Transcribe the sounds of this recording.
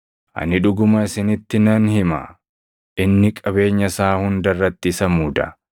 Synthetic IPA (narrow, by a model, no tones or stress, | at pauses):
ʔɐ̰nɪᶑʊɡʊmɐɪsɪnɪt̪ːɪnɐnhɪma̰ | ʔɪnːɪkʼɐbe̞ːɲːɐsaːhʊnd̪ɐrːɐt̪ːɪsɐmuːd̪ɐ̰